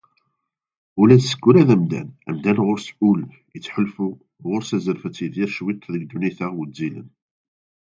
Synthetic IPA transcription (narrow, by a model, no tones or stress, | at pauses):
ʊlæsə̥kːuɾæðæmd̪æ̰næ̰md̪ænʁʊɾsʊl | jət͡sːħəlfu | ʁʊɾsæzəɾfət͡sːiðiɾʃwit̪ˤːðəɡd̪uniθæʁwəd͡zːilə̰n